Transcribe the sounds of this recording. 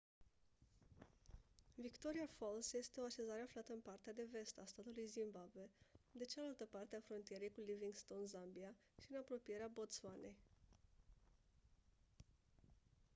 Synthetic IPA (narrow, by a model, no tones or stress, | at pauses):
vikt̪o̞ɾiafolsje̞st̪e̞o̞aʃe̞zaɾeaflat̪əɨnpart̪ead̪e̞ve̞st̪ast̪at̪ulujzimbabwe̞d̪e̞t͡ʃalalt̪əpart̪eafɾo̞nt̪ije̞ɾe̞jkuliviŋɡst̪o̞nzambia | ʃiɨnapɾo̞pije̞ɾeabo̞t̪soane̞j